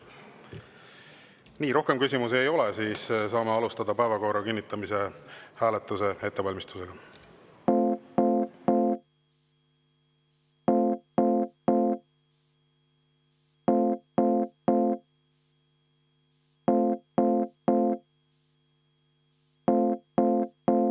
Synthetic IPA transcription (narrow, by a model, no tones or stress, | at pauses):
niːɾo̞hke̞mkysʲimuse̞jo̞lɛsiːssɑːmeɑlust̪ɑd̪̥ɑpæevɑko̞ːɾɑkinːit̪ːˑɑmise̞hæːlet̪ːˑuse̞e̞t̪ːe̞vɑlʲmist̪u̥se̞ɡ̥ɑ